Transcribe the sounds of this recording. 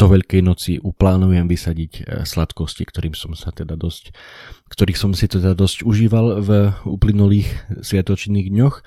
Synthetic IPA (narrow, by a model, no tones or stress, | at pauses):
d̪̥ɔʋɛʎkɛjnɔt͡siʔuplaːnujɛmʋisaɟicslat̪kɔscikt̪ɔɾiːmsɔmsat̪ɛd̪ad̪ɔsckt̪ɔɾiːxsɔmsit̪ɛd̪ad̪ɔscuʒiːʋalvṵːplinuliːxsʋɪat̪ɔt͡ʃniːɣd̪ɲɔx